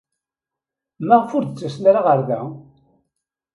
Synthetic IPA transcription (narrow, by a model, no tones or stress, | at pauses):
mæʁfʊɾd̪ət͡sːəsnaɾaʁəɾðæ